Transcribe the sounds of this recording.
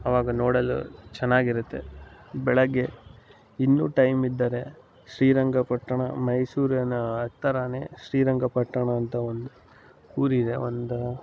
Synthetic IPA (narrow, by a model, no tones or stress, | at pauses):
ɐʋaːɡɐnoːɽɐlːṵt͡ʃɛnːaːɡiɾut̪ːe̞̰bɛɭɐɡːe̞ | inːuːʈɐjmid̪ːɐːɾe̞ | ʃɾiːɾɐŋɡʱɐpɐʈːɐɳɐmɐjsuːɾɐnɐːt̪ːɐɾane̞ːʃɾiːɾɐŋɡɐpɐʈːɐɳɐːnt̪ɐond̪u | uːɾid̪e̞ond̪u